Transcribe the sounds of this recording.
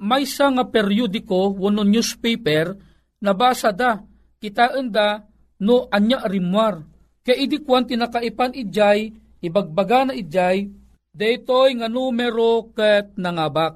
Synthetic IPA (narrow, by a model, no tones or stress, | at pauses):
majsaŋapɛɾjud̪ɪkowʊnonjuspejpɛɾ | nɐbaːsad̪a | kɪt̪aʔənd̪a | noʔaɲjaʔɾɪmwaɾ | kajʔid̪ikwant̪ɪnakaʔipanid͡ʒaj | ɪbaɡ̚baɡanaʔid͡ʒaj | d̪ɛjt̪ojŋanumɛɾokət̪̚nɐŋabak̚